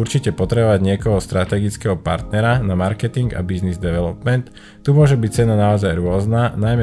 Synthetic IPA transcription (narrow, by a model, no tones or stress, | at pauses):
uɾt͡ʃicɛpɔt̪ɾɛbɔʋaɟɲɪɛkɔɦɔst̪ɾat̪ɛɡit͡skɛɦɔpa̰ɾt̪nɛɾanamaɾkɛt̪iŋɡa̰biznizd̪ɛʋɛlɔpmɛnt̪ | t̪ːumʊɔʒɛbict͡sɛnanaɔzajɾʊɔznanajmɛ